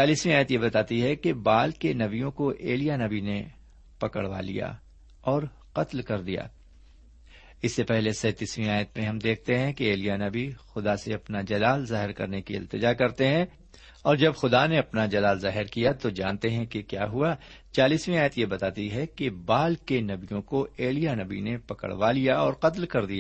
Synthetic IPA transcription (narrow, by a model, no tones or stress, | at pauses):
t͡ʃaːliːsmẽaːjət̪jebɐt̪aːt̪iɦɛkebaːlkenɐbijõkoʔeːlijanɐbine | pɐkə̰ɽʋa̰lḭja̰ | ɔːɾ | qɐt̪lkɐɾd̪ija̰ː | ɪsːepɛɦlesɛːt̪iswĩaːjət̪mẽɦɐmd̪eːk̚ʰt̪eɦɛ̃keeːlijanɐbixʊd̪aseɐpnad͡ʒɐlaːlzaːɦɪɾkɐ̰ɾnekiɪ̰lt̪ɪd͡ʒakɐɾt̪eɦɛ̃ | ɔːɾd͡ʒɐbxʊd̪aneɐpnad͡ʒɐlaːlzaːɦɪɾkijat̪od͡ʒaːnt̪eɦɛ̃kekjaːɦua | t͡ʃaːliːswĩaːjət̪jebɐt̪aːt̪iɦɛkebaːlkenɐbijõkoeːlijanɐbḭnepɐkə̰ɽʋalijaɔːɾqɐt̪lkɐɾd̪ijaː